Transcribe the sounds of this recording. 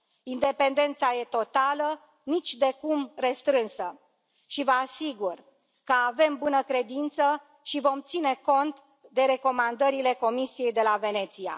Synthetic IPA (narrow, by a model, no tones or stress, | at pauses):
ind̪e̞pe̞nd̪e̞nt̪saje̞t̪o̞t̪alə | nit͡ʃʲd̪e̞kumre̞st̪ɾɨnsə | ʃivəasiɡur | kəave̞mbunəkɾe̞d̪int̪sə | ʃivo̞mt̪sine̞ko̞nt̪ | d̪e̞ɾe̞ko̞mand̪əɾile̞ko̞misije̞jd̪e̞lave̞ne̞t̪sia̰